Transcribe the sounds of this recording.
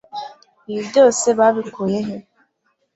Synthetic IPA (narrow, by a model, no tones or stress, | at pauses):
jideosebabikʰojeɦe